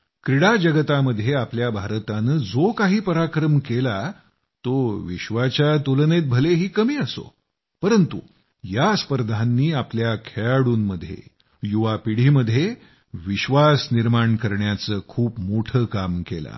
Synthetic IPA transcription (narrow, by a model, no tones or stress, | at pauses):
kɾiɽad͡ʑəɡət̪aməd̪ʱjeapljabʱaɾt̪anəd͡zokaɦiːpəɾakɾəmkela | t̪oʋiɕʋat͡ɕjat̪ulənet̪̚bʱəleɦiːkəmiːəso̰ | pəɾənt̪ṵ | jaspəɾd̪ʱanːiːapljakʰeɭaɽuːnməd̪ʱːjḛ | juʋapiɽ̤iːməd̪ʱːje | ʋiɕʋasniɾmaɳkəɾɳjat͡səːkʰuːpmoʈʰəːkamkela̰